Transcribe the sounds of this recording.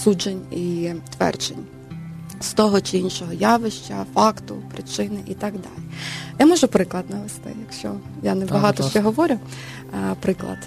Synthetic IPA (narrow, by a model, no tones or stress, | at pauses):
sud͡ʒenʲit̪ʋɛ̰rd͡ʒḛnʲ | st̪ɔɦɔt͡ʃɪinʃɔɦɔjɑʋɪʃt͡ʃɐfɑkt̪ʊpɾɪt͡ʃɪnɪʔit̪ɑɡd̪ɑ̰lʲijamɔʒʊpɾɪklˠɐd̪nɐʋest̪ɪ̰jɐkʃt͡ʃɔ̰ | janɛbbɐɦɑt̪ɔʃt͡ʃɛɦɔʋɔɾʲʊ | pɾɪklˠɐ̰d̪